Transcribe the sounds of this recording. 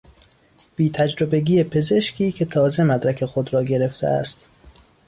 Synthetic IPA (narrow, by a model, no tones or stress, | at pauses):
b̥iːt̪ʰæd͡ʒɾobe̞ɡiːepʰe̞ze̞ʃkʰiːkʰe̞t̪ʰɒːze̞mæd̪ɾækʰe̞xod̪ɾɒːɡe̞ɾe̞ft̪ʰḛʔæ̰st̪